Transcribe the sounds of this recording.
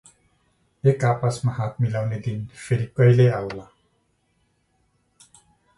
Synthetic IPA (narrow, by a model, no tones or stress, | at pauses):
ekapasmaɦat̪̚ʰmilawned̪inpʰeɾikʌjleawla